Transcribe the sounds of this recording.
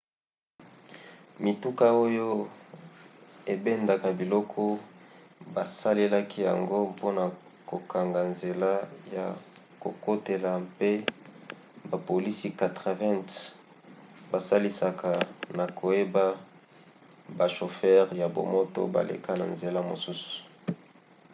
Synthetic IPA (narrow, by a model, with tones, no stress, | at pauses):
mi˨tu˦ka˦o˦jo˦ | e˨be˦nda˨ka˨bi˨lɔ˦kʰɔ˦ | ba˨sa˦le˦la˦ki˦ja̰˨ŋɡo˦po˦na˨ | ko˨ka˨ŋɡa˨nze˨la˦ja̰˨ | ko̰˨ko˦te˨la˨pe˦ | ba˨po˨li˦si˦ka˨tʁa˨vɛ̃˦nt | ba˨sa˦li˦sa˨ka˨na˨kʰo˨je˦ba˦ | ba˨ʃo˨fɛ˦ʁja˨bo̰˨mo˦to̰˦ba̰˨lʔḛ˨ka˦na̰˨nze˨la˦mo̰˨su˦su̥˨